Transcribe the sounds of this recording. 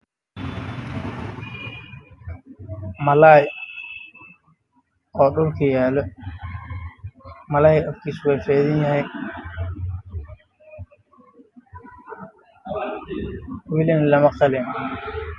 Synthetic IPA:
mɐlaːj | ɔːɖʊlkʰɐjaːlɔ | mɐlaːjʔɔfkʰiːswɛjfɛːðɐnjɐhɛj | wɪlɪnlɐmɐqɑlɪn

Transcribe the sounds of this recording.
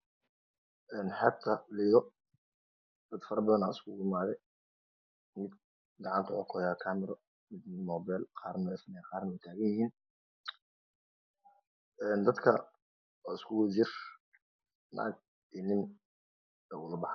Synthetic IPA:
ʔɛːnħɑb̚t̪ʰɐlɪðɔ | d̪̥ɐd̪fɐɾɐbɐðɐnaɪskʰʊʊmaːðɛj | mɪd̪ | ɡɑʕɑnt̪ʰʊʕɔkʰɔjakʰaːmɪɾɔ | mɪd̪mɪmɔːbɛlqʰɑːrnɔfnɛqɑːrnɐwɛjt̪ʰaːɣɐjɪhiːn | ʔɛːnd̪ɐd̪kʰɐ | ɔɪskʰʊwd͡ʒɪr | na̰ːɡ | inɪn | ɛːʊlɐbɑħ

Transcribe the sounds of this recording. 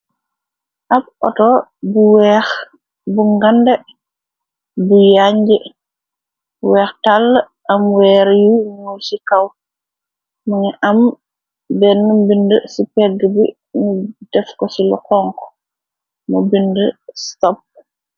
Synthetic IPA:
ʔab̚ʔɔ̰tɔbuwɛx | buŋɡandɛ | bujaɲd͡ʒɛ | wɛːxtalː | ʔamwɛːɾjuŋojsikaw | muŋɛʔam | bɛnːumbindəsipɛɡəbi | nud̥ɛfkɔsilɔ̰kɔŋkɔ̥ | mobindəstɔp̚

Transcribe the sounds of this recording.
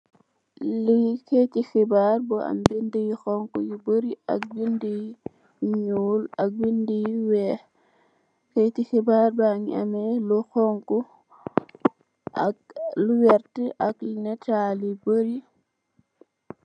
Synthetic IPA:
liketixibaɾbɔa̰mbindijixɔŋkujibəɾia̰k̚bindij | ɲuːlak̚bindijwɛ | ketixibaɾbaŋiamɛlɔxɔŋku | a̰k̚luwɛɾtəʔaklinɛtalibəɾi

